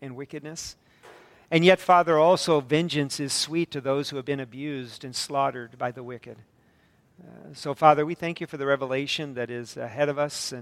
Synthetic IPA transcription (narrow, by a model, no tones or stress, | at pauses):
ɨ̃nwɪkɨdⁿnɨs | ɨ̃njɛtfɑðə˞ɔlˠsoʊvɛ̃nd͡ʒɨ̃nsɨz̥switʰɨðoʊz̥hʉɨvbɨ̃nɨbjʉzdɨ̃nslɑɾə˞d̚baɪðəwɪkɨd̥̚ | soʊfɑðə˞wiθæ̃ŋkjɨfə˞ðɨɹɛvəleɪʃɨ̃nðɨɾɪzɨ̰ɦɛɾʌvʌsɨ̃